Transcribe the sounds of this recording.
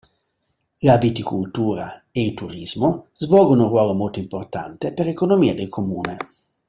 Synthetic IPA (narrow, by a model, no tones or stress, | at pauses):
labit̪ikult̪uːɾa̰eilt̪uɾizmozvɔːlɡonunrwɔːlomolt̪oimport̪ant̪epeɾekonomiːad̪elkʰomuːne